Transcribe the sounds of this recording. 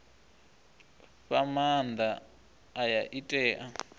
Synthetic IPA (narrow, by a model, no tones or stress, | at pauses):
ɸamand̪aː | jaʔitʼɛːʔa